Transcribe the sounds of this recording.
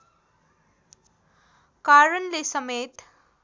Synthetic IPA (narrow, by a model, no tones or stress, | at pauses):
kaɾənlesʌmet̪